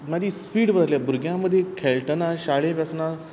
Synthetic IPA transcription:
mad͡ʑiːspiːɽbəɾaljabʱuɾɡjãməd̪ʱːjekʰɛlʈənaɕaɭẽʋasna

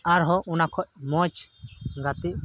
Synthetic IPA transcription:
aɾɦɔʔunakʰɔʔ̚mɔt͡ʃɡat̪iʔ

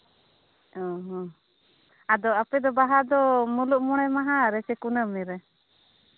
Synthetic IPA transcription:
ɔɦɔ̃ | ad̪ɔapɛd̪ɔbaɦad̪ɔmuluʔmɔɽ̃ɛmaɦaɾɛsɛkunəmɛɾɛ

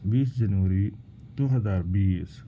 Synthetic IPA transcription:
biːsd͡ʒənʋəɾiː | d̪̥oɦəzaːɾbiːs

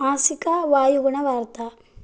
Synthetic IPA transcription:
aːsikaʋaːjuɡuɳɐʋaːɾt̪a

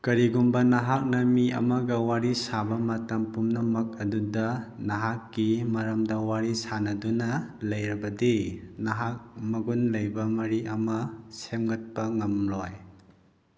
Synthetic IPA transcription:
kɐɾiɡumbɐnaɦak̚nɐmiʔɐ̰mɐɡɐwaɾisabɐmɐtɐmpumnɐmɐk̚ɐdudɐnaɦakːimɐɾɐmdɐwaɾisanɐdunɐlɐjɾɐbɐdinaɦak̚mɐɡunlɐjbɐmɐɾiʔɐmɐsemŋɡɐt̚pɐŋɐmlɔj

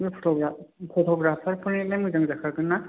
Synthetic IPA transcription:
ipʰɔ̥tɔɡapʰɔtʰɔɡɾapʰaɾpʰɯnilajmuzaŋzakʰakʰɯna

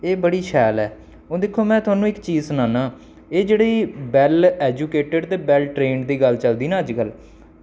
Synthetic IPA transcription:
eːbəɽiːʃʰɛːlɛː | oːd̪ɪkʰːoːmɛ̃ːt̪ʰʊwaːnũːɪkt͡ʃiːzsʊnaːnãː | eːd͡ʒeːɽiːbɛːlɛːd͡ʒuːkeːʈəɖt̪eːbɛːlʈɾeːɳd̪iːɡəlt͡ʃəld̪iːnãːəd͡ʒkəl

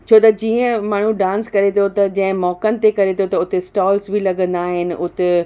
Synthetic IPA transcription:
t͡ɕʰoːt̪ɐd͡ʑiːə̃maːɳ̤ũɖãːnskɐɾet̪ʰot̪ɐd͡ʑɐ̃ɦɪ̃mɔːkənɪ̆t̪ekɐɾet̪ʰot̪ɐʊt̪esʈaːlsbʱilɐɠə̃nd̪aːɦɪnɪ̆ʊt̪e

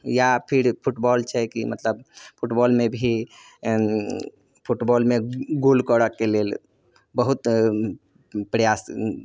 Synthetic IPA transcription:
japʰiɾpʰuʈbɔːlt͡ʃʰɛkimət̪ləbpʰuʈbɔːlmebʱi | pʰuʈbɔlmeɡolkɔɽəkːelel | bəɦut̪ | pɾəjaːs

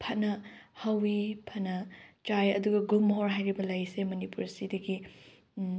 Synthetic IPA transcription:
pʰɐt̚nɐhɐwipʰɐtnɐt͡ʃajɐ̰duɡɐɡulmɦoɾɦajɾibɐlɐjsemɐnipuɾsidɐɡi

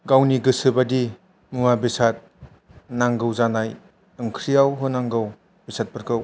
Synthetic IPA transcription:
ɡawniɡɯsɯbadi | mumabisat̚ | naŋɡɯwzanaj | ɯŋkʰɾijawɦɯnaŋɡɯw | bisat̚pɯɾkʰɯw

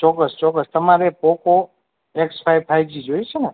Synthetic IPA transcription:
t͡ʃɔkːəst͡ʃɔk̬ːəst̪əmaɾepɔko | ekspʰajbpʰajbd͡ʒid͡ʒojet͡ʃʰene

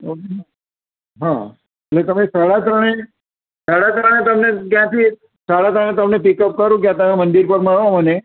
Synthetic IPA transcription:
okena | ɦã | eʈlet̪əmẽsaɽat̪ɾəɳ̃e | saɽat̪ɾəɽ̃et̪əmnekjãt̪ʰi | saɽat̪ɾəɳ̃ẽt̪əmnepikəp̚kəɾũk̬jãt̪əmẽmə̃nd̪iɾpəɾməɭʋoməne

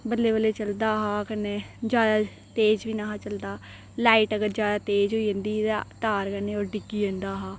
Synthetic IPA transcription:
bəlːeːbəleːt͡ʃəld̪aːɦaːkəneːd͡ʒjaːd̪aː | t̪eːd͡ʒʋiːnaːɦaːt͡ʃəld̪aː | laːiʈəɡəɾd͡ʒjaːd̪aːt̪eːd͡ʒɦoːiːə̃nd̪iːat̪aːɾkəneːɔːɾɖɪkːiːẽːnd̪aːɦaː

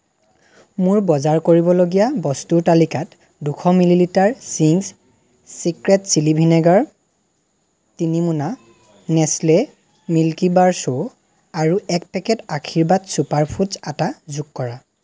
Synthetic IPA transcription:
mʊɹbɔzaɹkoɹibɔloɡijabɔstuɹtalikat | dukʰɔmililitaɹsiŋs | sikɹɛtsilibʱinɛɡaɹ | tinimuna | nɛslɛ | milkibaɹso | aɹuʔɛk̚pɛkɛtakʰiɹbatsupaɹpʰutzatazuɡkɔɹa

